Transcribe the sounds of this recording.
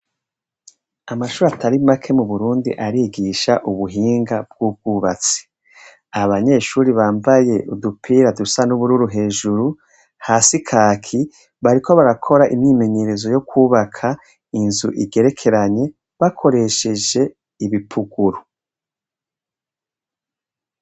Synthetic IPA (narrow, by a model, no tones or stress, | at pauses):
amaʃuːɾataɾimakʰe̞muβuɾuːndḭʔaɾiɡiʃaʔuβuɦiːŋɡab̚ɡ̥ub̚ɡ̥uːβat͡se̥ | aβaɲe̞ːʃuːɾiβaːmbaje̞ʔudupʰiːɾadusanuβuɾuɾuɦe̞ːʒuɾu | hasikʰaːkʰi | βaɾikʰo̞βaɾakʰo̞ɾaʔḭmɲime̞ɲe̞ɾe̞zo̞jo̞kʰuːβakʰa | inzṵʔḭɡe̞ɾe̞kʰe̞ɾaɲe̞ | βakʰo̞ɾe̞ʃe̞d͡ʒe̞ | iβipʰuɡ̥uɾu